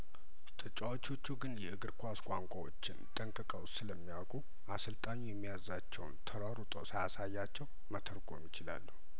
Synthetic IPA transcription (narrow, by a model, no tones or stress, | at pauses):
t̪ʰʼət͡ʃʼawot͡ʃo̞t͡ʃːuɡɨnjɛɨɡɨɾkʰʷaskʷʼaŋkʷʼawo̰t͡ʃːɪnt̪ʼəŋkʼɨkʼəwsɨləmːijawkʼu | ʔasɨlt̪ʼaɲujɛmːijazat͡ʃːɛwnt̪ʰəɾaɾut̪ʼo̰səjasajːat͡ʃːɛw | mət̪ʰəɾɡʰʼojɛ̰mːɪt͡ʃɪla̰lːuh